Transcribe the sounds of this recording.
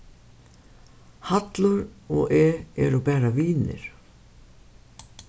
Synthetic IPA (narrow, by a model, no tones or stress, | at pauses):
hat̪lʊɾɔɣʔɛːɛ̰ɾʊpɛːɾaviːnɪ̰ɾ̥